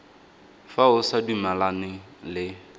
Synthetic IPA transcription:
faʊsadumalanɪ | lɪ

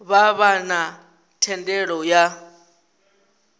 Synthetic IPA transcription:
βaβana | tʰɛndɛɺɔja

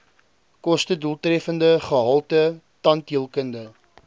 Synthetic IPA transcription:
kɔstədulˠtrɛfəndəχəɦɐlˠtə | tɐntiəlˠkəndə

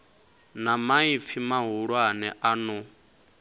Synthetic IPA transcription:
namaifimaɦuɺwanɛʔanu

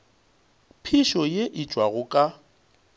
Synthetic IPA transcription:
pʰɪʃɔjeʔɪt͡ʃʼwaɣʊkʼa

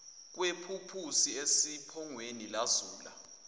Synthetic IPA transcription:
k̬wepʰupʰusiesipʰɔŋwenilaz̥uːla̰

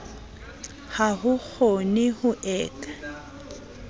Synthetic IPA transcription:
haɦʊk͡xʰonɪhʊʔɛːkʼḁ

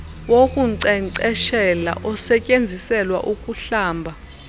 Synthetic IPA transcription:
wokʼuǀɛǀɛʃɛla̰ʔɔsɛcʼend͡zʱisɛlwa̰ʔukʼuɬaːmbʱa

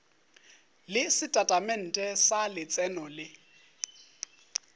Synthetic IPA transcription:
lɪsɪtʼatʼamɛn̩tʼɛsalɪt͡sʼɛnɔlɪ

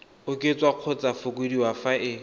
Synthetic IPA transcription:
ʊkʼet͡sʼwaq͡χʰʊt͡sʼafʊk̬ʼwediwafaʔɪ

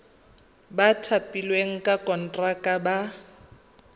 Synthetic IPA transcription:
batʰapʼilweŋ̩kʼakʼɔn̩tʼrakʼaba

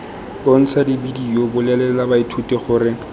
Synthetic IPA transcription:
bon̩t͡sʰadibidijobʊlɛlɛlabaitʰutʼɛχʊːrɪ

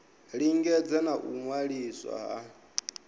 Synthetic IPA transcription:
ɺiŋɡɛd͡zɛnaʔuŋwaɺiswa̰ɦa̰

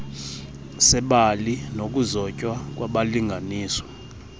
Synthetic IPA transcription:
sɛɓalinok̬ʼuzɔcʼwak̬ʼwaɓaliŋɡʱaniːsɔ̥

